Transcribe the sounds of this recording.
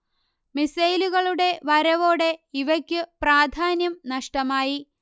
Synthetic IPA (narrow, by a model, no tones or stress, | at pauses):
misɐjluɣɐɭuɽe̞ʋɐɾɐʋo̞ːɽe̞iʋɐkʲːɨpraːd̪ʱaːnjɐmnɐʂʈɐmaːji